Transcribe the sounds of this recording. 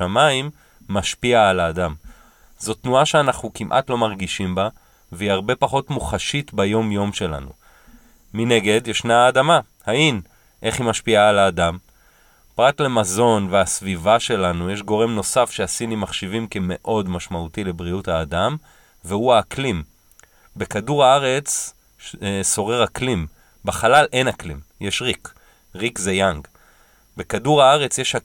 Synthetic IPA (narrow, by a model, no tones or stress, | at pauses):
amaimː | aʃpiaːlaːdam | zo̞tnuaʃeanaχnukimʔa̰tlo̞maʁɡiʃimba | veiaʁbe̞paχo̞tmuχaʃitbajo̞mjo̞mʃe̞la̰nṵ | mine̞ɡe̞djeʃnaːdama | hain | ʔe̞χimaʃpiaːlaːdam | pʁatle̞mazo̞nveasvivaʃe̞lanujeʃɡo̞ʁe̞mno̞safʃeasinimaχʃivimkeme̞ʔo̞dmaʃmautile̞bʁiuthaːdam | vehuaːklim | be̞kaduʁaaʁe̞t͡s | so̞ʁe̞ʁhaklim | baχalalʔe̞naklḭmjeʃʁik | ʁikzejaŋɡ | bekaduʁhaaʁe̞t͡sjeʃha